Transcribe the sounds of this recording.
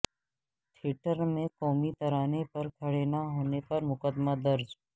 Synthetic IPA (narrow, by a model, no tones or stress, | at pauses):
ʈʰɪʈəɾmẽkɔːmit̪ɐɾaːnepɐɾkʰɐɽenaɦoːnepɐɾmʊkəd̪mad̪ɐɾd͡ʒ